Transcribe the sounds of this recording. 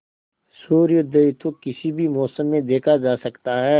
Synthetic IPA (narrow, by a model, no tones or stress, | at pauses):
suːɾjʊd̪ʱet̪okɪsibʱimɔːsəmːẽd̪eːkʰad͡ʒaːsɐkt̪aɦɛː